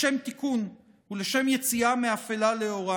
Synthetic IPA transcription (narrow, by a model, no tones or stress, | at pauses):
e̞mt̪ikun | huleʃe̞mje̞t͡siameafelale̞o̞ʁa